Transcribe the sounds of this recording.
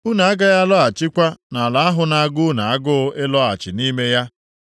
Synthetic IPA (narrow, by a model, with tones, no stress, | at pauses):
u˦na˨a˦ɡa˦ja˦lɔ˦a˨t͡ʃɪ˦kʷa˦na˨la˨a˦ɦʊ˨na˨a˨ɡʊ˦na˨a˦ɡʊ˦ɪ˦lɔ˦a˨t͡ʃɪ˨ni˦me˦ja˦